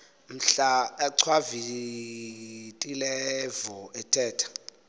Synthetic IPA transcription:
m̩ɬaaǀʰwavi | tʼilɛvɔɛtʰʼɛːtʰḁ

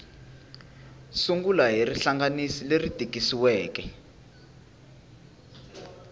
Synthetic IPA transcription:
suŋɡulaɦiriɬaŋɡanisilerid̥ʱiɡʱisiwɛːkɛ

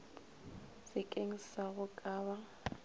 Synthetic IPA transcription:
sɪkʼeŋ̩saɣʊkʼaːβa

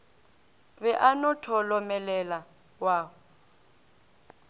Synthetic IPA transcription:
βɛʔanɔtʰɔlɔmɛlɛla | waː

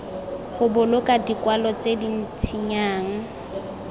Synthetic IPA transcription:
χʊbʊlʊkʼadikwalɔt͡sedin̩t͡sʰiɲaːŋ̩

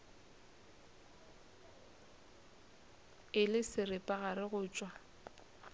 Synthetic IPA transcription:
ɪlɪsɪrɪpʼaɣarɪɣʊːt͡ʃʼwa

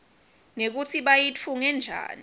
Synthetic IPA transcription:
nek̬ut͡sʰiɓajit͡fʰuŋɛnd͡ʒʱa̰ːni

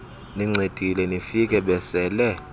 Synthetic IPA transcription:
niŋ͡ǀed̥ʱilɛnifik̬ʼɛɓɛsɛːlɛ

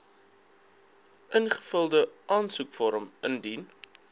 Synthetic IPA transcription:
ʔənχə̥fəlˠdəʔɑːnsukfɔɾəməndin

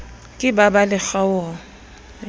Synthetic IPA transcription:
kʼɪbabalɪxawɔ

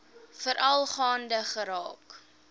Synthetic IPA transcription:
fəɾʔɐlˠχɑːndəχəɾɑːk

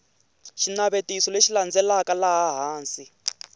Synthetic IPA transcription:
ʃinaβetisɔleʃiland͡zɛlakalaɦaɦaːnsi

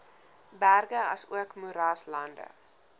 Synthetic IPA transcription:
bærɡəɐsuəkmuɾɑːslɐndə̰

